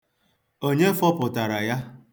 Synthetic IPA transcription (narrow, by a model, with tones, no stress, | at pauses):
o˦ɲe˦fɔ˦pʊ˨ta˨ɾa˨ja˦